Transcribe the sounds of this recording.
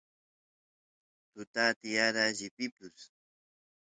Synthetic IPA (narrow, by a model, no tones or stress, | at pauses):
t̪ʊt̪at̪ɪjaɾaʎɪpɪpʊs